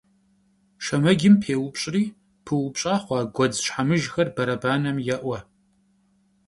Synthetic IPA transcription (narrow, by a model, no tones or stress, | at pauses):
ʃɐmɐɡʲɪmpʰeːwʊpɕʼriː | pʰɨwʊpɕʼaːχʷɑːɡʷɔd͡zɕħamɨʒxɐrbɐɾɐbaːnɐmjɛʔʷɐ